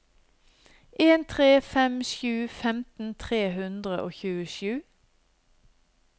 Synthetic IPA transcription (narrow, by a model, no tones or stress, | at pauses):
ʔeːnt̪ʰʁeːfɛmʃjʉːfɛmt̪n̩t̪ʰʁeːhʉnd̪ʁəʔoːçʉːəʃʉː